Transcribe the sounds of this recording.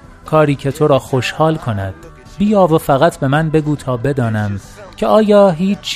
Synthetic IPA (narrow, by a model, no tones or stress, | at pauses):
kʰɒːɾiːcʰe̞t̪ʰo̞ɾɒːxo̞ʃhɒːlkʰo̞næ̰d̪̥ | biːjɒːvofæɣæt̪ʰbe̞mænbe̞ɡuːt̪ʰɒːbe̞d̪ɒːnæm | cʰeʔɒːjɒːɦiːt͡ʃʰː